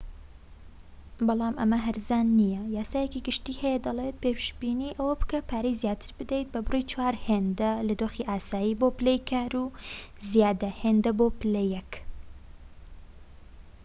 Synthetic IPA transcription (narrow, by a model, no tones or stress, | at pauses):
bɑlˠɑːmʔɐmɐɦɐɾzaːnːijɐjaːsaːjɛciɡɨʃt̪iːhɛjɛd̪ɐlˠeːt̪̚peːpʃbiniːʔɐwɐbɨ̥kɐpʰaːɾejzjaːt̪ʰɨ̥ɾbɨd̪ejt̪̚bɐbɨrujt͡ʃwaːɾheːnd̪ɐlɐd̪oːxiʔaːsaːjiːboːpɨlejkʰaːɾuːzijaːd̪ɐheːnd̪ɐbopɨlejɛk